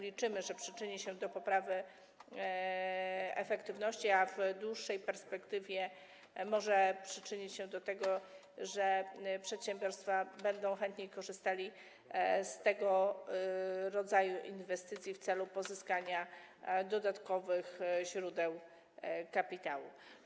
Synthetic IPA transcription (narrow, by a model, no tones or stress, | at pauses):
lʲit͡ʂɘmɘʐɛpʂɘt͡ʂɘɲiɕɛd̪ɔpɔpɾavɘ | ɛ̰fɛkt̪ɘvnɔɕt͡ɕiavd̪wuʂːɛjpɛɾspɛkt̪ɘvʲjɛ | mɔʐɛpʂɘt͡ʂɘɲit͡ɕɕɛd̪ɔt̪ɛɡɔ | ʐɛpʂɛt̪ɕɛmbʲjɔɾst̪fabɛnd̪ɔ̃w̃xɛnt̪ɲejkɔʐɘst̪alʲi | st̪ɛɡɔ | ɾɔd̪zajuʔinvɛst̪ɘt̪sʲjift̪sɛlupɔzɘskaɲad̪ɔd̪at̪kɔvɘxʑɾud̪ɛw | kapʲit̪awṵ